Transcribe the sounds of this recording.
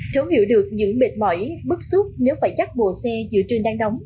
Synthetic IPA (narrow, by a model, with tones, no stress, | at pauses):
t̪ʰə˨˦whḭ˧˩əwɗɨ˨˩ək̚ɲɨ̰˧˥ŋɓḛ˧˨˩t̚mɔ̰˧˩˦jɓɨ˦˥k̚su˦˥t̚ne˨˦wfaː˧˩jt͡ɕa˦˥k̚ɓo̰˧˨sɛ˧zɨ̰˧˨ət͡ɕəː˧˩nɗaː˨˧˦ŋɗə˨˦wŋ͡m